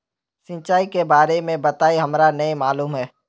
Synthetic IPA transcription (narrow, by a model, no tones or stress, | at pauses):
sɪ̃nt͡ʃaːikebaːɾemẽbɐt̪aːiɦɐmɾanɐĩmaːluːmɦɛː